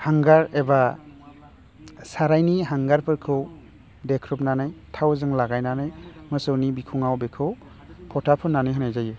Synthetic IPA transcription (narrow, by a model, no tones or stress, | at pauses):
haŋɡaɾeba | saɾajniɦaŋɡaɾpʰɯɾkʰɯw | dekʰɾupnanajtʰawzɯŋlaɡajnanajmɯsɯwnibikʰuŋawbekʰɯw | pʰɔtʰapʰɯnːanɯjɦɯnajzajɯ